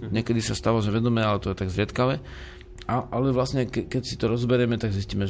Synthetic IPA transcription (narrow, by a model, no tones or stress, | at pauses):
ɲɛkɛd̪isast̪aːʋaʒɛʋɛd̪ɔmɛːalɛt̪ɔjɛt̪aɡzɾɪɛt̪kaʋɛ | aʔalɛʋlasɲɛkɛkɛcsit̪ɔɾɔzbɛɾɛmɛt̪aɡzisciːmɛʒ